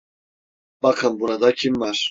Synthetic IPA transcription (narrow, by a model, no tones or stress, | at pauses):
b̥akʰambuɾad̪akʰimːaɾ